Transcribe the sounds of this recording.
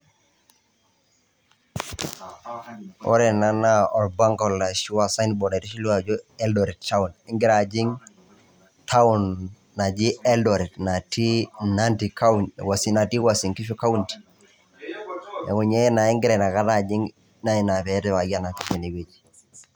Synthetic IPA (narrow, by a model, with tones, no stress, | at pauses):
ɔ̰˦ɾe˨na˦na˦ɔ˨lba˦ŋkɔ˨lːa˨ʃu˦wa˨sa˦nbɔ˨da˨ɾi˦ʃi˦lu˦a˨d͡ʒo˦ɛ˦ldɔ˨ɾi˨tta˦u˨nɪ˦ŋɡɪ˦ɾa˨d͡ʒi˦ŋ | tʰa˦u˨nː | a˨d͡ʒi˦e˦ldɔ˨ɾi˨tna˨ti˦na˦nti˨ka˦nwa˨si˨na˨ti˦wa˨si˨ŋki˦ʃu˦ka˦u˦nti̥˨ | ḛ˨ŋu˨ɲe˦na˨i˦ŋɡɪ˦ɾe˨na˨ka˦ta˨d͡ʒi˦ŋ | na˦i˨na˨pɛ˨˦te˦wa˨ɡa˦na˨ki˦fe˨ne˨we˨d͡ʒi